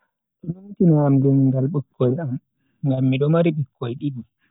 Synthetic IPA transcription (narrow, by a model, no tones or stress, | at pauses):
ʔɛnɔnitinaːmdɛnŋɡalɓəkːɔjam | ŋɡamːiɗɔmaɾiɓikʰːɔjɗiɓi